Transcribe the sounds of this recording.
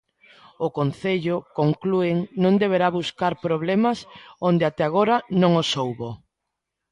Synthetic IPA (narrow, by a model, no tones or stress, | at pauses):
ʊkonθeʎʊkoŋklueŋnõŋd̪eβ̞eɾaβuskaɾpɾoβlemasond̪eat̪ɛaɣ̞oɾanõŋosowβo